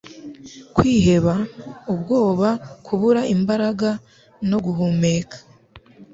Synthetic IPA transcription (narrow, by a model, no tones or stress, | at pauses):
kwiːɦe̞βaubɡo̞ːβakʰuβuɾaʔimbaɾaɡa | no̞ɡuɦume̞ːkʰḁ